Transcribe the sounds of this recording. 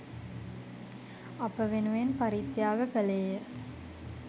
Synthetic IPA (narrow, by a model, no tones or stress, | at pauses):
ɐpəʋenuʋenpaɾit̪jaːɡəkəleːjə